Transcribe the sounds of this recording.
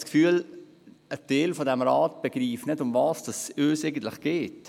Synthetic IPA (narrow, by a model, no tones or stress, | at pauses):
skfyːəl | əd̥eːlfɔdɛmɾɑːt̚b̥eɡɾiːfnɪdʊmvɑːsd̥ɑsøːseɪɡən̩tlɪχɡ̥eːt